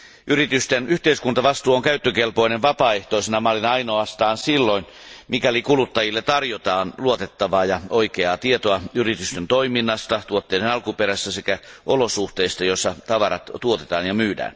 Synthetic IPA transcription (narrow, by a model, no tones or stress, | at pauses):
ʔyɾit̪yst̪enyht̪eiskunt̪ɑʋɑst̪uːoŋkæyt̪ːøkelpoineʋʋɑpɑːeht̪oisenɑmɑːlːinɑɑinoɑst̪ɑːnsilːoin | mikælikulut̪ːɑjilːet̪ɑrjot̪ɑːnluot̪et̪ːɑʋɑːjɑoikeɑːt̪iet̪oɑyrit̪yst̪ent̪oiminːɑst̪ɑt̪uot̪ːeidenɑlkupeɾæsːæsekæʔolosuht̪eist̪ɑjosːɑt̪ɑʋɑɾɑ̰t̪t̪uot̪e̞t̪ɑːnjɑmyːdæ̰ːn